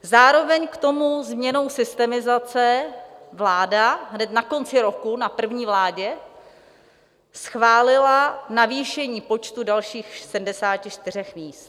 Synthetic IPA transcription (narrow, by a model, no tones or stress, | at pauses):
zaːɾo̞vɛɲkt̪o̞muzmɲɛno̞wsɪst̪ɛmɪzat͡sɛvlaːdaɦnɛt̪nako̞nt͡sɪɾo̞kunapr̩vɲiːvlaːɟɛ | sxvaːlɪlanaviːʃɛɲiːpo̞t͡ʃt̪udalʃiːxsɛdm̩dɛsaːcɪʃt̪ɪr̝ɛxmiːst̪̚